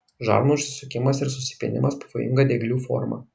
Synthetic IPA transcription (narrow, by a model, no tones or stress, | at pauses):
ʒɑ̰ːɾnuʊʃʲsʲɪsʊkʲɪmɐsɪɾsʊsʲɪ̥pʲḛnʲɪ̰mɐspɐʋoːjɪ̰ŋɡɐd̪ʲeɡlʲuːfɔ̰ɾmɐ̰